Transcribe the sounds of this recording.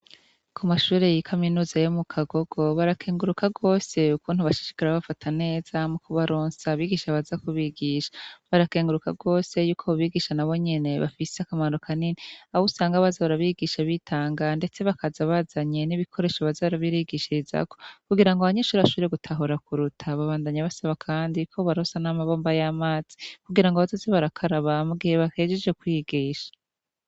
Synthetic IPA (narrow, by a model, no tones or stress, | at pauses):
kʰumaʃuːɾe̞jikʰaminuːzajomukʰaɡo̞ɡ̥o̞βaɾakʰeːŋɡuɾukaɡo̞ːse̞ukʰuːn̥huβaʃi̥ʃi̥kaɾaβafatʰane̞ːz̥amukʰuβaɾoːnsaβiːɡiːʃaβazakuβiɡiʃḁβaɾakeːŋɡuɾukaɡo̞ːse̞juːkʰo̞βuβiːɡiʃanaβo̞ɲe̞ne̞βa̰fiseakamanokʰaniniaβusaːŋɡaβazaβaɾaβiɡiʃaβitʰaːŋɡande̞t͡se̞βakazaβazaɲe̞niβikʰo̞ɾe̞ːʃaβazaβaɾaβiɾiɡiʃiza̰ko̞̥kuɡiɾaŋɡoaβaɲeʃuːɾβaʃuɾeɡutʰaɦoɾakuɾutʰaβaβaːndaɲaβasaβakʰaːndikʰo̞βaɾosanamaβo̞ːmbajamaːz̥i̥kuɡiɾaŋɡoβazazeβaɾakʰaɾaβamuɡiheβake̞ːd͡ʒed͡ʒɡekwiɡiːʃḁ